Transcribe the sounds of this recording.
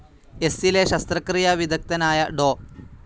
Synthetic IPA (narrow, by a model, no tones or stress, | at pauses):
esileːʃɐst̪ɾɐkɾijaʋid̪ʱɐk̚t̪ɐnaːjɐɖoː